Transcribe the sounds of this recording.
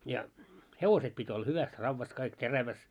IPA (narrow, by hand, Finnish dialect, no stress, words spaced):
jɑ heʋoset pitʲ olːɑ hyʋæs rɑʋːɑs kɑik teræʋæs